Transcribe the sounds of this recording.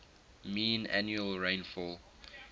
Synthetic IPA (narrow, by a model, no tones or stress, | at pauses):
mĩːna̰njuəlɹẽɪ̃nfɔl